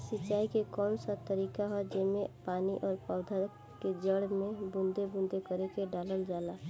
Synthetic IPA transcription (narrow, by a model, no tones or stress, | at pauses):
sɪt͡ʃːaːikekɔːnsat̪əɾiːkaɦɛd͡ʒemẽpaːniʔɔːɾpɔʊd̪ʱəɾ | ked͡ʒəɽmẽbũnd̪ʱebʊ̃nd̪ʱekəɾekeɖaːləld͡ʒaːlaː